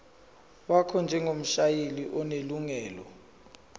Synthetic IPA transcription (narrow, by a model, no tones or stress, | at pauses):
wakʰɔnd͡ʒʱɛŋom̩ʃajeliʔɔneluŋɛːlɔ̰